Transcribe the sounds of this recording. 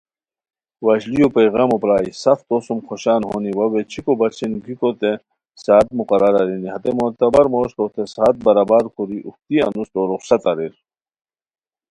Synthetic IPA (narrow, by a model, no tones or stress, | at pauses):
wɐɕlijopeːɣaːmopɾaːisɐft̪osumxoɕaːnɦo̰ːniwɐwet͡ɕʰikobɐt͡ɕʰinɡikot̪e | saːt̪̚muqɐɾɐɾa̰ɾiniɦɐt̪emoːt̪ɐbɐɾmoːɕt̪ot̪esaːt̪̚bɐɾabaːɾkʰuɾiʔuxt̪iɐ̰nust̪oɾuχsɐt̪ɐɾiɾ